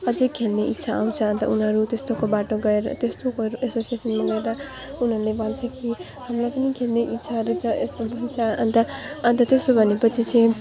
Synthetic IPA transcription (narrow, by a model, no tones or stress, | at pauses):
ʌd͡zʌkʰelneʔit̪ːsʰaa̰w̃t͡sʰʌɦʌnt̪ʌ̰unɦʌɾut̪est̪okobaʈoɡʌeɾʌ̰t̪est̪okouesosiesʌnmaɡʌeɾʌ | unɦʌɾulebʌnt͡sʰʌki | hamlajpʌnikʰelneʔit̪ːsʰaɾut͡sʰʌḛsmobʌɦit͡sʰʌʌnt̪ʌʌnt̪ʌt̪est̪obʱʌnepʌt͡sʰit͡sʰʌ̃j